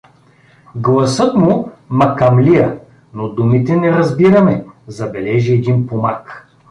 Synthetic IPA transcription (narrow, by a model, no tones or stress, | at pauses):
ɡlˠɐsɤt̪mumɐkɐmliə | nod̪umit̪ɛnɛɾɐzbiɾɐmɛzɐbɛlɛʒiɛd̪inpomak